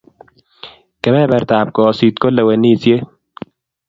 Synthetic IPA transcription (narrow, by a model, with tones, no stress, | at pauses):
kɛ˨mɛ˦bɐ˨ɾt̪aː˨p̚kɔ˨si˨t̪ko˦lːɐ˨wɐ˨nːi˦˨sje˦